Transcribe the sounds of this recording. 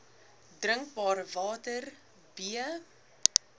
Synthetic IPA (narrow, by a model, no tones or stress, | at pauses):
drəŋk̚bɑːɾəvɑːtər | biə